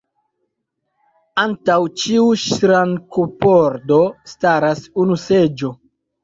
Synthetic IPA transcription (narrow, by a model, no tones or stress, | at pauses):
antawt͡ʃiuʃɾaŋkopoɾdo̞staɾasunused͡ʒo̞